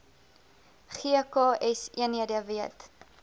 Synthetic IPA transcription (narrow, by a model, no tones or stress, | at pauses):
χiəkɑʔɛsiəniədəviət